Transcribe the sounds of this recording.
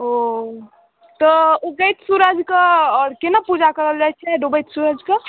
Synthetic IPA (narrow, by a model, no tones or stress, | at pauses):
o | t̪ɔuɡəjt̪suɾəd͡ʒkəɔːɾkenapud͡ʒakəɾəld͡ʒaɦɛt͡ʃʰɛɖobəjt̪suɾəd͡ʒkə